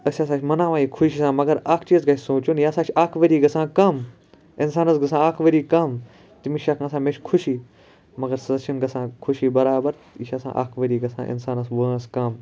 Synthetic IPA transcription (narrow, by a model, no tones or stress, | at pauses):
ɐsʲaːsaːt͡ʃʰʲmɐnãːʋaːiːkʰʊʃisãːmɐɡɐɾaːkʰt͡ʃiːzɡɐsoːt͡ʃunjaːsaːt͡ʃʰaːkʰʋəɾiːɡɐsãːkɐm | insaːnɐsɡɐs̬ãːaːkʰʋɐɾiːkɐm | t̪imiʃɐkʰasãːmẽt͡ʃʰʲkʰʊʃiː | mɐɡɐɾsɐʃʰinɡɐsãːkʰʊʃiːbɐɾaːbɐɾ | iʃʰɐsã̰ːʔa̰ːkʰʋɐɾiːɡɐsã̰ːʔɪ̰nsaːnɐsbuãskɐm